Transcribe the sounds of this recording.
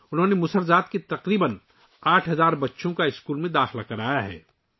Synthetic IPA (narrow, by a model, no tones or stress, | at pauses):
ʊnɦõːnemʊsəɾzaːt̪ket̪ɐqɾiːbən | aːʈʰɦɐzaːɾbɐtːʃõkaɪskuːlmẽd̪aːxɪlakɐɾaːjaɦɛ̰ː